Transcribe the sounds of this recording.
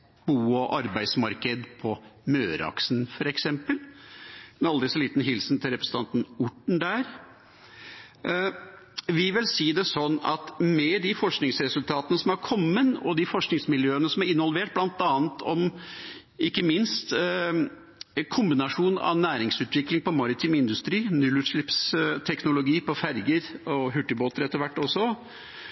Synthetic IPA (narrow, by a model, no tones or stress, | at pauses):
b̥uːɔʔɑɾbæɪsmɑɾkəd̪pʰɔmøːɾɑ̰ksnfɔɾɛksɛmpəl | ɛnɑld̪ɾɪsɔliːt̪n̩ɦɪlsn̩t̪ʰɪlɾɛpɾəsn̩t̪ɑnt̪n̩ʊʈːɳ̩d̪æɾ | ʋɪʋɪlsiːd̪ɛsɔnːɑt̪mɛd̪ɪfɔʂknɪŋsɾɛsʉlt̪ʰɑːt̪ənəsɔmɑɾkʰɔmːənɔ̰d̪ɪfɔʂknɪŋsmɪljøːənəsɔmæɾɪnʋɔlʋeːʈ̚blɑnt̪ɑːnt̪ʰɔm | ɪkːəmɪnst̪ | kʰʊmbɪnɑʂuːnɑ̰ʋnæːɾɪŋsʉːt̪ʋɪklɪŋpɔmɑɾɪt̪ʰɪmɪnd̪ʉst̪ɾiːnʉlʉt̪ʂɭɪpst̪ʰɛknʊlʊɡiːpɔfæɾɡəɾɔɦʉʈːɪboːt̪əɾɛt̪ːəɾʋæʈːɔsːɔ